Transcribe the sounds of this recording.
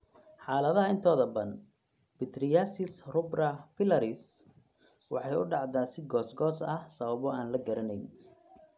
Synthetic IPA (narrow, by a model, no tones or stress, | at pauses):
ħɑːlɐðɐɦɐɪnt̪ʰɔːðɐbɐn | b̥ɪt̪rɪjasɪsrʊbrɐfɪlɐɾɪs | wɑħɑjʊɖɑʕd̪aːsɪɡɔːsɡɔːsɐhsɐβɐβɔaːnlɐɡɐɾɐnɛjn